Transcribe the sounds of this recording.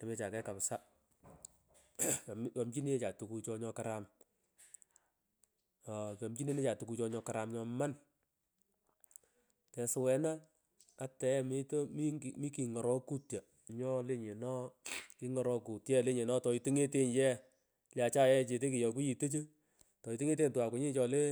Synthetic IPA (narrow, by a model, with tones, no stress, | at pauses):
ta˨me˨˦t͡ʃa˨kɛ˦ka˨psa˦˨ | m˦jɔ˨mt͡ʃi˦ne˦t͡ʃa˨tu˨ku˧t͡ʃɔ˧ɲɔ˧ka˨ɾa˨m˨ | ka˨mt͡ʃi˦ne˦ne˦t͡ʃa˨tu˨ku˧t͡ʃɔ˧ɲɔ˧ka˨ɾa˨mɲɔ˧ma˦n | tɛ˨sʊ˨wɛ˨na˦ | a˦tɛ˨˦mi˦tm˦˨mi˦ki˨ŋɔ˨ɾɔ˦ku˦tja˨ | ɲɔ˦le˦ɲe˨nɔ˦ki˨˦ŋɔ˨ɾɔ˧ku˨tjɛ˦le˦ɲe˨nɔ˦tɔ˨i˨tu˦ŋe˦te˦njɛ˦ | lja˨t͡ʃa˦jɛ˦t͡ʃe˨˧te˦ki˨jɔ˨ku˦ji˨tə˦t͡ʃe˦ | tɔ˨i˨tu˦ŋe˦t̬e˦ntu˨a˨kʷʊ˨˦ɲi˦t͡ʃɔ˧le˦